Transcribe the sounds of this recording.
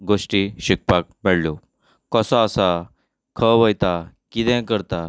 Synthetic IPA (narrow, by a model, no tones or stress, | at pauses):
ɡoʂʈiɕik̚pakmeɽlo | kəsɔ̃əsa | kʰəʋəjt̪a | kit̪ɛ̃kəɾt̪a